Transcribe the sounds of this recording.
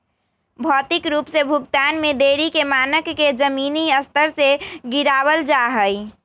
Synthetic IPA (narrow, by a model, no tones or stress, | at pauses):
bʱɔt̪ikɾupsebʱuɡt̪anmed̪eɾikemanəkːed͡ʒəminiəst̪ʰəɾseɡiɾabəld͡ʒaɦəj